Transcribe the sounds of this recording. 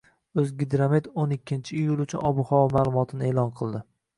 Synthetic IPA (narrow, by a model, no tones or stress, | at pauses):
ɵzɡʲɪd̪ɾamed̪onɪkʲːɪnt͡ʃʰɪːjʊlˠʊt͡ʃʰʊnɒbʊχɒwmaːlˠʊmɒt̪ʰɪnɪeːlˠɒnqʰɨlˠd̪ɪ